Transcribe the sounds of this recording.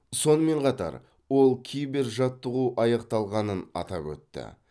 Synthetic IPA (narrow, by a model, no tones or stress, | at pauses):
so̞nəme̞ɴqʰɑt̪ɑ̰ɾ | wo̞lˠkʲʰijbe̞ɾʒɑt̪ːəʁuʔɑjɑqt̪ɑlˠʁɑnənɑ̰t̪ɑpwɵ̰t̪ːɪ̰